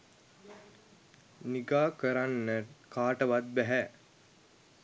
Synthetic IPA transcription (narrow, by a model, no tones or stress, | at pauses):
niɡaːkəɾanːəkaːʈəʋat̪̚bæɦæ